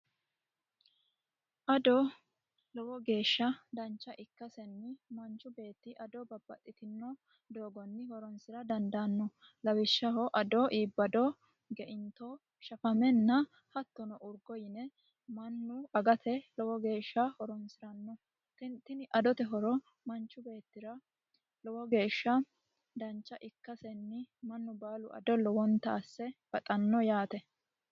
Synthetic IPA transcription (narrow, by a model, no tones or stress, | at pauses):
ʔɐd̪ɔ | lɔwɔɡe̞ːʃːɐd̪ɐnt͡ʃːɐʔɪkːɐsɛnːɪmɐnt͡ʃːʊbe̞ːt̪ːɪʔɐd̪ɔbɐbːɐ̰t̪ʼːɪt̪ɪnːɔ | d̪o̞ːɡɔnːɪhɔɾɔnsɪɾɐd̪ɐnd̪ɐnːɔ | lɐwɪʃːɐɦɔʔɐd̪ɔʔiːbːɐd̪ɔ | ɡɛʔɪnt̪o | ʃɐfɐmɛnːɐ | hɐt̪ːɔnɔʔʊɾɡɔjɪnɛ | mɐnːʊɐɡɐt̪ʰɛlɔwɔɡe̞ːʃːɐhɔɾɔnsɪɾɐnːɔ | t̪ɪnɪʔɐd̪ɔt̪ɛɦɔɾɔ | mɐnt͡ʃːʊbe̞ːt̪ːɪɾɐ | lɔwɔɡe̞ːʃːɐ | d̪ɐnt͡ʃːɐʔɪkːɐsɛnːɪmɐnːʊbaːlʊʔɐ̰d̪ɔlːɔwɔnt̪ːɐːsːɛb̥ɐt̪ʼɐnːɔjaːt̪ɛ